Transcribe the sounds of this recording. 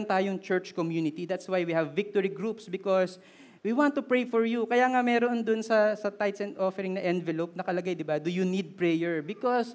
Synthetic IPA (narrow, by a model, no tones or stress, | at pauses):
nt̪aːjoŋt͡ʃɛɹt͡ʃkɔmjunɪt̪id̪at̪swajwihɐvːɪk̚t̪ɔɹiɡɹupsbɪkos | wiwãnt̪ːʊpɹejfɔɹjukɐjaːŋɐmɛːɾond̪onsɐsɐt̪ajt̪sɛ̃nd̪ʔofɛɾɪŋnɐʔɛnvɛlop̚nɐkɐlɐɡajd̪ɪbad̪ʊjunid̪̚pɹɛjɛɹbɪkɔs